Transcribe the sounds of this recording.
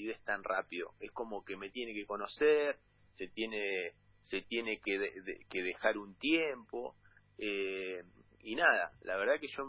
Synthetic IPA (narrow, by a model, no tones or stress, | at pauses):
iðeht̪anra̰piðo̞̰e̞sko̞mo̞ke̞me̞t̪je̞ne̞ke̞ko̞no̞seɾ | se̞t̪je̞ne | se̞t̪je̞ne̞keðeðḛkeðe̞xaɾunt̪jempo̞ | e | inaða̰laβ̞eɾðake̞ʃo̞